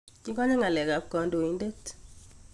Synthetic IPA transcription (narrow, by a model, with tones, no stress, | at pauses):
ki˦kɔ˦ɲa˦ŋa˨lɛ˨ka˨p̚kɔ˨ndo˨i˨nde˦t